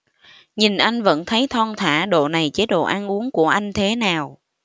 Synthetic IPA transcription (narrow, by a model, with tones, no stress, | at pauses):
ɲi˨˩nʔa˧jŋ̟və̰˧˥nt̪ʰə˨˦jt̪ʰɔ˧ŋt̪ʰa̰ː˧˥˩ɗo̰˧˨na˨˩jt͡ɕe˨˦˥ɗo̰˧˨ʔaː˧nʔu˨˦əŋku˧˩əʔa˧jŋ̟t̪ʰe˨˦naː˨˩w